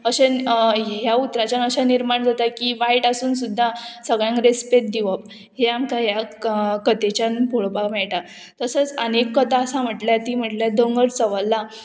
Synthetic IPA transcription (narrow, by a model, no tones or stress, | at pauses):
əɕe | ɦjaut̪ɾat͡ɕjanəɕaniɾmaɳd͡zat̪akiʋaɦiʈasuːnsud̪ʱːasəɡɭjãŋkɾespeʈ̪̚d̪iʋəp̚ | ɦeamkajakət̪et͡ɕjanpoɭpamɛɭʈa | t̪əsət͡sənekːət̪aəsam̤əʈljat̪iːm̤əʈljad̪əŋɡəɽt͡səʋəlːa